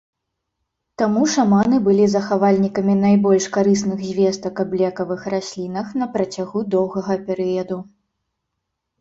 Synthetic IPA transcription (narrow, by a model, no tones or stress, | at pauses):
t̪amuʂamanɨbɨlʲizɐxavalʲnʲikɐmʲinajbɔlʲʂkaɾɨsnɨɣzʲvʲɛst̪ɐkɐblʲɛkɐvɨxrasʲlʲin̪ɐxnɐpɾɐt͡sʲaɣud̪ɔwɣɐɣɐpʲɛɾɨjɐd̪u